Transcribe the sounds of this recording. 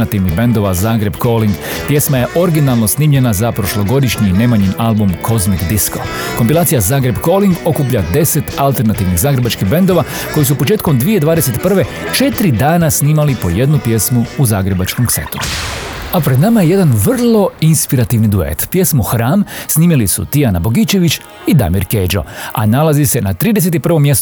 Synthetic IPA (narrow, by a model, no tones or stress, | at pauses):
at̪iʋniɣbe̞nd̪o̞ʋazaːɡɾe̞bkoːliŋɡpje̞smaje̞ʔo̞ɾɡinalˠno̞sniːmʎe̞nazapɾo̞ʃlo̞ɡo̞d̪iʃɲinemaɲimalˠbumkʰo̞zmiɡd̪isko̰ko̞mpilaːt̪sijazaːɡɾe̞bko̞ːliŋɡo̞kuːp̬ʎad̪e̞se̞t̪alt̪e̞ɾnat̪iːʋniɣzaːɡɾe̞bat͡ʃkiɣbe̞nd̪o̞ʋako̞jisupo̞t͡ʃe̞ːt̪komd̪ʋijed̪ʋaːd̪ese̞t̪pr̩ʋe̞ | t͡ʃe̞t̪ɾid̪aːnasniːmalipo̞je̞d̪nupje̞smuuzaːɡɾe̞bat͡ʃkomksḛt̪uuapɾed̪namaje̞je̞d̪anʋr̩lˠo̞inspiɾat̪iʋnid̪uḛt̪pje̞smuxɾaːmsniːmilisṵt̪ianabo̞ɡit͡ʃe̞ʋit͡ʃ | id̪a̰miɾkeːd͡ʒo̞̰a̰nalazise̞nat̪ɾiːd̪es̬et̪ipr̩ʋo̞mje̞st̪